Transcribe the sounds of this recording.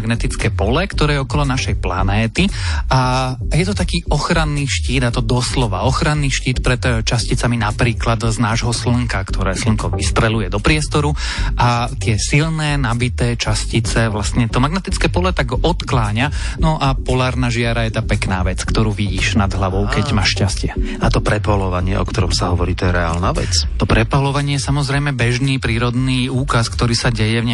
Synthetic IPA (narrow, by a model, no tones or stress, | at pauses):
ɡnɛt̪it͡skɛːpɔlɛkt̪ɔɾɛːjɛɔkɔlɔnaʃɛjpla̰nɛːt̪iʔa | jɛt̪ɔt̪akiːɔxɾanːiʃciːd̪at̪ɔd̪ɔslɔʋa̰ɔxɾanːiʃciːt̪pɾɛt̪t͡ʃascit͡saminapɾiːklad̪znaːʒɦɔsl̩ŋkakt̪ɔɾɛːsl̩ŋkɔʋist̪ɾɛlujɛd̪ɔpɾɪɛst̪ɔɾu | ʔat̪ɪɛsilnɛːnabit̪ɛːt͡ʃascit͡sɛʋlast̪ɲɛt̪ɔmaɡnɛt̪it͡skɛːpɔlɛt̪aɡɔt̪klaːɲanɔʔapɔlaːɾnaʒɪaɾajɛt̪apɛknaːʋɛt͡skt̪ɔɾuːʋiɟiːʃnad̪ɦlaʋɔʊkɛɟmaːʃcascɪɛat̪ɔpɾɛpɔlɔʋaɲɪɛ̰ʔɔ̰kt̪ɔɾɔmsaɦɔʋɔɾiːt̪ɔjɛɾɛa̰ːlnaːʋɛ̰t͡st̪ɔpɾɛpɔlɔʋaɲɪɛjɛsamɔzɾɛjmɛbɛʒniːpɾiːɾɔd̪niːuːkaskt̪ɔɾiːsaɟɛjɛvɲɛ